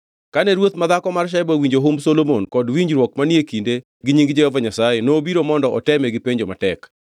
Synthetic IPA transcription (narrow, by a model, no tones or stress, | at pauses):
kanɛɾwot̪maðakɔmarʃɛbawiɲd͡ʒoɦomsolomonkɔdwiɲd͡ʒɾwɔkmanekinde | ɡɪɲiŋɡd͡ʒɛjɔvaɲasajenoːbiɾomɔndɔʔɔtɛmɛɡɪpeɲd͡ʒomatɛk